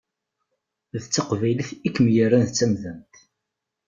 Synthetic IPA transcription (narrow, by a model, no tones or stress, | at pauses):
ðət͡sːɑqvæjləθikːmjərːænðt͡sːæmðænt̪